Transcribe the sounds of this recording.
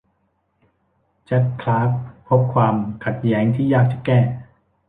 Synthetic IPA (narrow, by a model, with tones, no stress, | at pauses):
t͡ɕa˨˩t̚kʰlaː˦˥p̚pʰːo˦˥p̚kʰwaː˧mkʰa˨˩t̪̚jɛː˦˥ŋt̪ʰiː˥˩jaː˥˩k̚t͡ɕa˨˩kɛː˥˩